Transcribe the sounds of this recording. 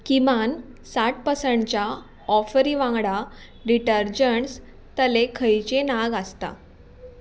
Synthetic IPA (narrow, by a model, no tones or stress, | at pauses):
kimansaʈ̚pəsəɳt͡ɕa | ɔfəɾiʋãŋɡɽa | ɖiʈəɾd͡ʑəɳs | t̪əlekʰəjt͡ɕenaɡəst̪a̰